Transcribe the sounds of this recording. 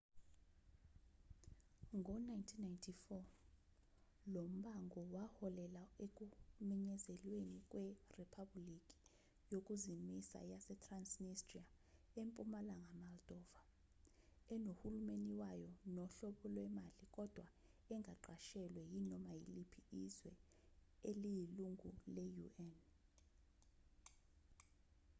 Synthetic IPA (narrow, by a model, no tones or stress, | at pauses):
ŋʱɔnajntʰinːajntʰifɔ | lom̩ɓaŋɡʱɔwahɔlɛlaek̬ʼumɛɲɛzɛlwenikʼwɛripʰablikʼi̥ | jokʼuzimisa̰jasɛtʰransnistria | empʼumalaŋamald̥ʱʼɔva | ɛnohulumeniwajɔnɔɬɔɓɔlwɛmalikʼɔd̥ʱwa | ɛŋʱaǃaʃɛlwɛjinɔmajilipʰiizwɛ | elijiluŋʱulɛjuʔɛn